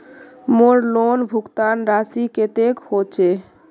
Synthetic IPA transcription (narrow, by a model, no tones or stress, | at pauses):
moɾlonbʱukt̪anɾasiket̪ekhot͡ɕʰe